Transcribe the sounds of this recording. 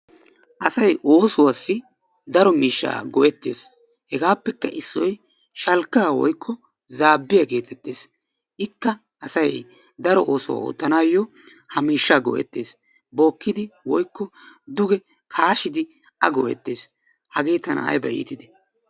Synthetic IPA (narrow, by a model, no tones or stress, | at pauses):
ʔɐsɐjʔo̞ːsʊwaːsːɪ | d̪ɐɾɔmiːʃːa̰ːɡɔʔɛt̪ːe̞ːs | hɛɡaːpːɛkːɐʔɪsːɔj | ʃɐlkːaːwɔ̰jkʰːɔ | zaːbːɪjɐke̞ːt̪ɛt̪ːeːs | ʔɪkːɐ | ʔɐsɐj | d̪ɐɾɔʔoːsʊwa̰o̰ːt̪ːɐnaːjːɔ | hɐmiːʃːaːɡɔ̰ʔɛ̰t̪ːeːs | boːkːɪd̪ɪwɔjkːɔd̪ʊɡɛ | kʰaːʃɪd̪ɪ | ʔɐɡɔ̰ʔɛ̰t̪ːe̞ːs | hɐɡeːt̪ɐnʔa̰ɐ̰jbɐʔḭːt̪ɪd̪ɛ